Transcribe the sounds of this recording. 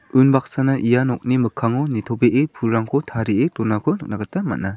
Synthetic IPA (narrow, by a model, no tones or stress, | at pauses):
ɯnbak̚sanaʔijanɔk̚nimɯkʰaŋɔnitʰɔbeʔepʰuɾaŋkʰɔtʰaɾietɔnakʰɔnɔk̚naɡɯtama̰t̚na